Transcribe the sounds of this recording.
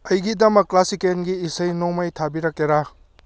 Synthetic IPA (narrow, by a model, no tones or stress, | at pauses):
ɐjɡidɐmɐkːlasikenɡiːsɐjnomɐjtʰabiɾɐkeɾa